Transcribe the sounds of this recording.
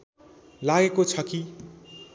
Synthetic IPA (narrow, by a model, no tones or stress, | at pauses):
laɡekot͡sʰʌki